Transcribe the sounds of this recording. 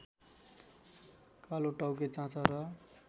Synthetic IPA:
kaloʈʌwk̬et͡sãt͡sʌɾʌ

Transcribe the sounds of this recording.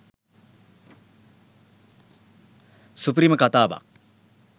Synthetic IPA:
supɾiːməkat̪aːʋa̰k̚

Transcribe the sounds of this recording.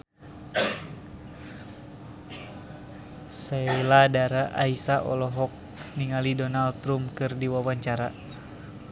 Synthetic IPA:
sɛiladaɾaʔa̰isaʔɔ̰lɔɦɔk̚ | niŋalidɔnalt̪ɾumkɨrdiwawaɲt͡ʃaɾa

